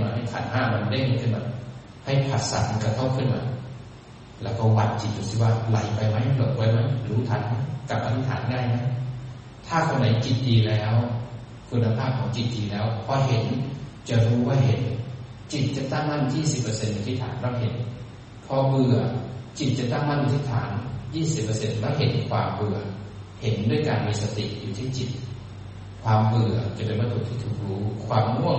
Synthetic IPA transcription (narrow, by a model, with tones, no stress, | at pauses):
ma˧˩nha˧˩t̪ʰa̰˨˦nɦaː˧˥˩ma˧n˧da˧˥˨jhe˧˦nkʰɯ˧˨ma˧˦n | ha˧˩jpʰa˧˩t̪̚sa̰˨˦m˧˦ka˧˩kʰa˧˥˩wkʰɯ˧˥˨nma̰˧˦ | lɛː˧˥wkɔː˧˩wa˧t̪̚t͡ɕi˨˩t̪̚u˨˧˩si˧˩waː˧˩la˨˦jpa˧˨jma˦˥jlo˨˧˩t̪̚bɔː˧˩jma˦˥˩jɾuː˨˦t̪ʰa˧˥˦nma˦˥˨jka˨˧˩p̚ʔa˧t̪ʰi˧t̪ʰaː˨˦ndaː˧˥˩jma˦˥˨j | t̪ʰaː˧˥˩kʰo˧nːa˨˦jt͡ɕi˨˩t̪̚ʔiː˨lɛː˦˥w | kʰu˧nːa˧pʰaː˥˩p̚kʰɔː˨˦ŋt͡ɕi˨˩t̪̚ɗiː˨˩lɛː˦˥wpʰɔː˧ɦe˨˦nt͡ɕa˧˩ɾuː˧˦waː˧˥˩ɦe˨˩˦n | t͡ɕi˨˩t̪̚t͡ɕa˨˧˩t̪a˥˩ŋma˧˥˨njiː˥˩si˨˩pːəː˧se˧nːa˧t̪ʰiː˧˥˩t̪ʰa̰ː˨˦nlɔː˧˥˩wɦe˨˦n | pʰɔ˧bɯ˧˩ɐt͡ɕi˨˩t̪̚t͡ɕa˨˧˨t̪a˥˩ŋma˧˥˨njuː˧t̪ʰiː˧˥˩t̪ʰa̰ː˩˦njiː˥˩si˨˩pːə˧se˧nlaː˧˥˨wɦe˨˦nkʰwaː˧mbɯ˨˧˩ɐ | he˨˦ndu˥˩əjkaː˨npi˧sa˧t̪ḭ˨˩ʔjuː˨˩t̪ʰiː˧˥˩t͡ɕi˨˩t̪̚ | kʰwaː˧mbɯ˧˩ɐt͡ɕa˨˩pe˨nba˧˥t̪ʰuː˨˧˦t̪ʰiː˧˥˩t̪ʰu˧˩kɾuː˦˥kʰwaː˧mŋu˥˩ə